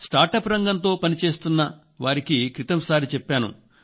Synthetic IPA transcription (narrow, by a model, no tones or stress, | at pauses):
sʈ̪aːʈɐpɾɐŋɡɐnt̪o̞ːpɐnit͡ʃe̞ːst̪unːɐ | ʋaːɾikikɾit̪ɐmsaːɾit͡ʃɛpːaːnṵ